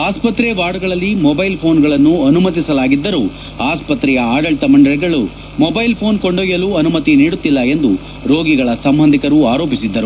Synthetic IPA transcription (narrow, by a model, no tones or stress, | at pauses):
aːspɐt̪ɾɛʋaːɽuɡɐɭɐlːimɔbɐjlpʰo̞ːnɡɐɭɐnːuɐnumɐt̪isɐlaːɡid̪ːɐɾu | aːspɐt̪ɾɛjɐaːɖɐɭʈ̪ɐmɐɳɖɐɭɛɡɐɭu | mɔbɐjlpʰo̞ːnkoɳɖoːjɐluːɐnumɐt̪iniːɽut̪ːilːɐe̞nd̪u | ɾoːɡiɡɐɭɐsɐmbʱɐnd̪ʱikɐɾuaːɾoːpisid̪ːɐɾu